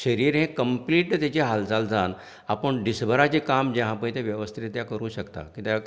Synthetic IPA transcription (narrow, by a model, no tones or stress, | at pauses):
ɕəɾiːɾɦẽkəmpliːʈt̪jat͡ɕeɦald͡zald͡zan | apəɳɖisbʱəɾat͡ɕikamd͡ʑeɦãpəjt̪eʋjəʋəst̪ʰit̪jakəɾũːɕəkt̪a̰kit̪ja